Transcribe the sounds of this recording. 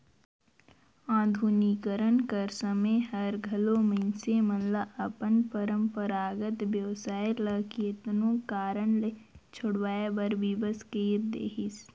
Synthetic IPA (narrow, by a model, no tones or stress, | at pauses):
ãːd̪ʱunikəɾənkəɾsəməjhəɾɡʱɐloməɪnsemənlaʔəpənpəɾə̃mpəɾaːɡət̪ʋjəʋsaːelɐːkiət̪nõkaːɾəɳlet͡ʃʰʊɽʋaːjabəɾbibəskeːɾd̪ḛːɦɪs